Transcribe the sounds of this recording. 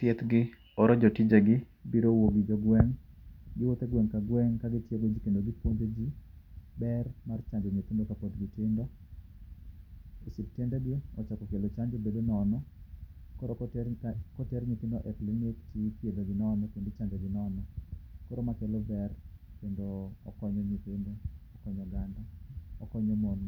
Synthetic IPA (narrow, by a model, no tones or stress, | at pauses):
t̪jɛt̪ɡɪ | ɔɾɔd͡ʒɔtid͡ʒaɡɪ | biɾowoɡɪd͡ʒɔɡwɛŋɡɪwot̪eɡwɛŋkaɡwɛŋkaɡɪtjeɡod͡ʒikendoɡɪpwoɲd͡ʒod͡ʒibɛrmart͡ʃaɲd͡ʒoɲet̪ɪndokapot̪ɡɪtɪndɔ | isip̚tɛndɛɡɪɔt͡ʃakɔkelot͡ʃaɲd͡ʒobedonɔnɔ | kɔɾɔ | kɔtɛɾɲik̪ɪndoʔɛplinɪktipjed̪oɡɪnɔnɔkendot͡ʃaɲd͡ʒɔɡɪnɔnɔkɔɾomakɛlobɛrkendoɔ̰kɔɲɔɲit̪ɪndoɔkɔɲɔɡandaɔkɔɲɔmɔn